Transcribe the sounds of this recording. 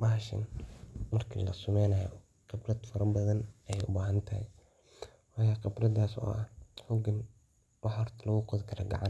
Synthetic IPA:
bɐɦɐʃɐ̰nmɐrkʰḭlɐ̰sʊmɛjnɐjɔ̰ | qɪbrɐd̪fɐɾɐbɐðɐnɛjɛjʊ̰baːɦɐnt̪ʰɐhɛ̰j | wɑːjaːqɪbrɐd̪aːsɔ̰ːʔɐhħʊɡɐn | wɑħɔrt̪ʰɐlɐɣʊqʊðɡʰɐɾɐɡɑ̰ʕɑn

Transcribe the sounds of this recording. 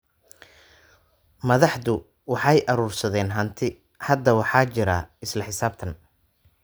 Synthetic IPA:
mɐðɑħðʊ | wɑħɑjʔɐɾuːrsɐðɛːnɦɐnt̪ʰɪ | hɐd̪ɐwɑħɑːt͡ʃɪɾɐ̰ɪslɐħɪsaːbt̪ʰɐn

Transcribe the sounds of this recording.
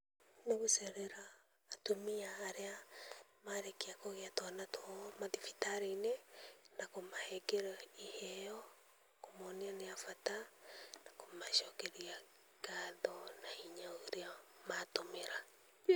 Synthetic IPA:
neɣusɛɾeɾaː | tomiaːɾeamaɾekeakoɣeatwanatʰɔmaðifi̥taɾinenakomahɛɡeɾaihɛjɔ | komɔnianeafatanakomaʃɔkɛɾia | ɡ̥aðɔnaiɲaoɾeamatomeɾa

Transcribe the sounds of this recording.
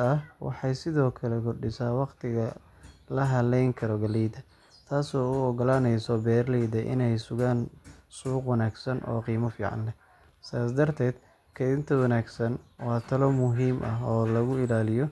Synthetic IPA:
ɐhwɑ̰ħɑjsɪðɔːkʰɐlɛkʰʊrɖɪsaːwɑqt̪ʰɪɣɐ | lɐɦɐlɛjŋkʰɐɾɔɡɐlɛːd̪ɐ | t̪ʰaːsɔːʊɔɡɔlaːnɛjsɔbɛːrlɛjd̪ɐʔɪ̰nɛjsʊɣaːnsuːqwɑnaːɡsɐnʔɔ̰ːqiːmɐfiːʕɑ̰nlɛ | saːsd̪ɐrt̪ʰɛːd̪̥ | kʰɐɪðɪnt̪ʰɐwɑnaːɡsɐnwɑːt̪ʰɐlɔmʊɦiːmʔɐɦɔːlɐɣʊɪlaːlɪjɔ

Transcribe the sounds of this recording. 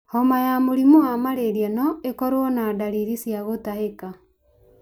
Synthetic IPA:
hɔmajamoɾimoamaɾeɾijɛnɔekɔɾoɔnaːdaɾiɾisjaɣotaɦeka

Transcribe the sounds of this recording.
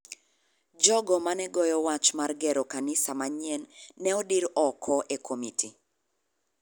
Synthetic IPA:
d͡ʒɔɡɔmanɛɡɔjɔwat͡ʃmarɡɛɾɔkanɪsamaɲɛnːɛɔdiɾɔkʰɔʔekʰomitʰi

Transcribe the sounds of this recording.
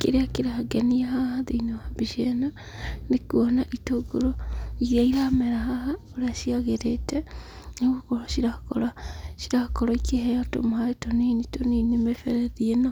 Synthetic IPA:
keɾeakeɾahaɡeniaɦahaðeinoabiʃena | nekuɔnaʔitoɡoɾoiɾaiɾamɛɾaɦahaoɾeaʃiaɣeɾetɛ | neɣokoɾoʃiɾako̰ɾaʃiɾakɔɾɔikehɛjato̰mohaɾetonenitoninemefɛɾɛðiena

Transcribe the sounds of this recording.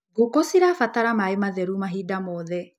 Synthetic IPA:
ɡokosiɾafataɾamaemaðɛɾumaɦidamɔðɛ

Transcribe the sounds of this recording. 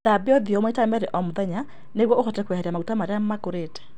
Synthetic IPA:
ðabeɔðiɔmoitamɛɾɛʔɔmoðɛɲa | neɣwɔoxɔtɛkwɛhɛɾiamaɣutamaɾeamakoɾetɛ̥

